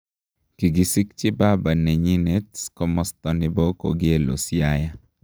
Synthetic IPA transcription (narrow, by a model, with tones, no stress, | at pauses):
ki˨ɡi˨si˦k̚t͡ʃɪ˦ba˦ba˨ne˨ɲi˦ne˦tskɔ˦mɔ˦st̪ɔ˨nɪ˨bɔ˦ko̰˨ɡɪ˦e˦lo̰˨sja˦ja˦